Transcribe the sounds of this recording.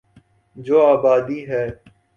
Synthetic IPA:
d͡ʒoːaːbaːd̪iːɦɛː

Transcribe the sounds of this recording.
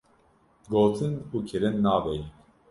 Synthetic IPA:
ɡoːt̪ʰɨnuːkʰɪɾɨnːɑːvɛj

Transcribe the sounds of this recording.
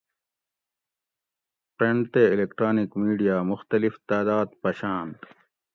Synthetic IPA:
pɾeɳɖt̪eilekʈɾaːnikmiːɖijaːmʊxt̪ɐlift̪aːd̪aːd̪pɐɕaːnt̪

